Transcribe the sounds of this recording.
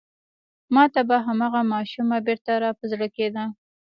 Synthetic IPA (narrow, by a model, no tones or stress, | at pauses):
mɑt̪abaɦamɑɣamɑʃumabeɾt̪aɾɑpəzɽəked̪a